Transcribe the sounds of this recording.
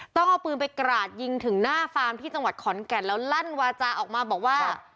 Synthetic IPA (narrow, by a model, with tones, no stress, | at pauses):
t̪ɔ˥˩ŋʔa˧˩wpɯː˧npa˧jkɾaː˨˩t̪̚ji˧ŋt̪ʰɯ˩˦ŋnaː˥˩faː˧mt̪ʰiː˥˩t͡ɕa˧ŋwa˨˩t̪̚kʰɔ˩˦nkɛ˨˩nlɛː˦˥wla˥˩nwaː˧t͡ɕaː˧ʔɔː˨˩k̚maː˧bɔː˨˩k̚waː˥˩